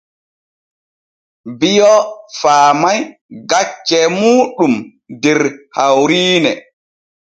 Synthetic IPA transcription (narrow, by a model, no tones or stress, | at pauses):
bijɔfaːmajɡat͡ʃːɛmuːɗum | dɛɾhawɾiːnɛ